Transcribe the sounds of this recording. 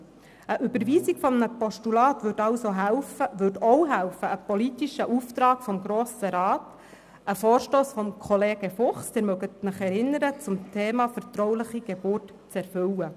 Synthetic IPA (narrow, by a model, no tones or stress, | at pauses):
əʔybəɾʋiːziɡ̥fɔmənəpɔʃtulɑːtʋʏɾtɑwsoɦæʊfəʋʏtɔwɦæwfəːpɔlitiʃəʔuft̪ɾɑːɡ̥fɔmɡɾoːsəɾɑːt | əfoːɾʃtoːsfɔmkʰɔleːɡəfʊχsdɪɾmœɡətnɪχɛɾɪnːəɾət͡sʊmtʰeːmɑfəɾtɾɔwlɪχiɡ̥eb̥ʊːrt | t͡sɛɾfʏwə